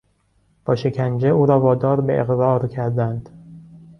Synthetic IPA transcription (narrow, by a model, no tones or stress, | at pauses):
b̥ɒːʃe̞cʰænd͡ʒeuːɾɒːvɒːd̪ɒːɾbeʔeɣɾɒːɾcʰæɾd̪ænd̪̥